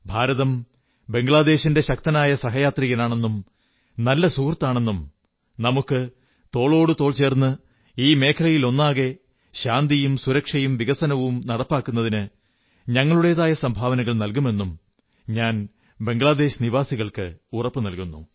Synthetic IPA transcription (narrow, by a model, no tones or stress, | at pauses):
bʱaːɾɐðɐm | be̞ŋɡɭaːd̪e̞ːɕinde̞ɕɐk̚t̪ɐnaːjɐsɐɦɐjaːt̪riɣɐlaːɳe̞nːum | nɐlːɐsuːkrt̪ːaːɳe̞nːum | nɐmukːɨ | t̪o̞ːɭo̞ːɽut̪o̞ːɭt͡ɕe̞ːrnːɨ | iːme̞ːkʰɐlɐjilo̞nːaːɣe̞ | ɕaːnd̪ijumsuɾɐkʂɐjumʋiɣɐsɐnɐʋumnɐɽɐpːaːkːunːɐðinɨ | ɲɐŋːɐɭuɽe̞jðaːjɐsɐmbʱaːʋɐnɐɣɐɭnɐlkume̞nːum | ɲaːn | be̞ŋɡɭaːd̪e̞ːɕniʋaːsiɣɐɭkɨurɐpːɨnɐlkunːṵ